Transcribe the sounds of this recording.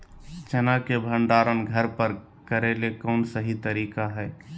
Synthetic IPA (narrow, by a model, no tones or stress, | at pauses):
t͡ʃɐnakebʱə̃ɳɖaːɾənɡʱəɾpəɾ | kəɾelekɔːnsəɦit̪əɾiːkaɦɛː